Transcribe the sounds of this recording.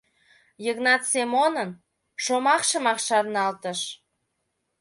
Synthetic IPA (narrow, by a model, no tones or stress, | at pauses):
jəɣnɑt̪semonən | ʃomɑkʃəmɑkʃɑrnɑlt̪əʃ